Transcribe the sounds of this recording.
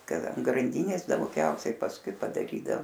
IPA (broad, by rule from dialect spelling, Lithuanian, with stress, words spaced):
ˈkɐt ɐn ɡrɐnʲˈdʲiːnʲeːs dɐʊˈɡʲɛʊsʲɛɪ pɐsˈkʊɪ pɐdɐˈrʲiːdɐoː